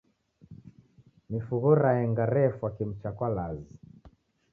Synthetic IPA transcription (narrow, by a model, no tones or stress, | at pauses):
mifuɣɔɾaɛŋɡaɾɛfwakim̩t͡ʃakwalazi